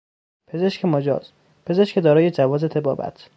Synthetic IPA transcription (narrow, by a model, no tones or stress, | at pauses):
pʰezeʃcʰemɒːd͡ʒɒ̰ːz̥ | pʰe̞ze̞ʃkʲed̪ɒːɾɒːjed͡ʒævɒːzet̪ʰebɒ̰ːbæ̰t̪ʰ